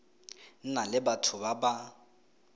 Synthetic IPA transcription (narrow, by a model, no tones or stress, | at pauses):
n̩nalɪbatʰʊbaba